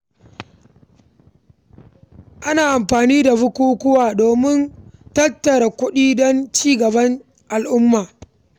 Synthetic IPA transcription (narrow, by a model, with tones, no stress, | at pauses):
ʔa˦naː˨ʔa˨mɸaː˨niː˦da˨bʊ˦kʷuː˦kʷʊ˦waː˨doː˨mɪ˦ntɐ˦tːɐ˨ɾa˨kʷʊ˦ɗiː˦dɔ˦nt͡ʃiː˦ɡɐ˨bɐ˦n | ʔa˨lʔʊ˦mːaː˨